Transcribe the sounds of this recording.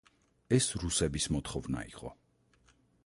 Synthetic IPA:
ɛsɾusɛbismɔt̪χɔvna̰ḭqʼɔ̰

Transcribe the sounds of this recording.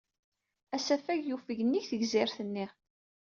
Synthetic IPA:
æsæfæʝjufəʝənːiçθəʝzɪɾθənːi

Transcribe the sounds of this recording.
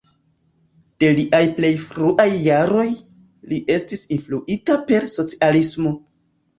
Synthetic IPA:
d̥e̞liʔajple̞jfɾuʔajːaɾo̞j | liʔe̞stisinfluʔitape̞ɾso̞t͡si̥alismo̞

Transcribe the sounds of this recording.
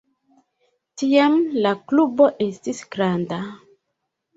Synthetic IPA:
tiamlakluboʔestisɡɾanda

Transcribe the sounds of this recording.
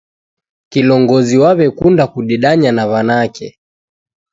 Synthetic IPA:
kilɔŋɡɔziwaβɛkundakuɗiɗaɲanaβanakɛ̰

